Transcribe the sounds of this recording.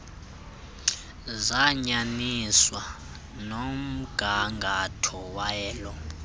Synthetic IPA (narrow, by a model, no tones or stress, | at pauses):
zaɲaniswa | nom̩ɡ̥ʱaŋɡʱatʰɔwajɛːlɔ